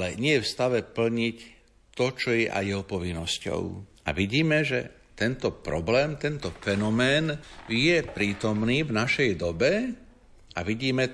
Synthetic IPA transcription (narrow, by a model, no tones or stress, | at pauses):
alɛɲɪɛfst̪aʋɛpl̩ɲic | t̪ɔt͡ʃɔjɛʔa̰jjɛɦɔpɔʋinːɔscɔ̰ʊ | a̰ʋiɟiːmɛʒɛ̰ | t̪ɛnt̪ɔpɾɔblɛːmt̪ɛnt̪ɔfɛnɔmɛːnjɛpɾiːt̪ɔmniːvnaʃɛjd̪ɔbɛ | ʔaʋiɟiːmɛ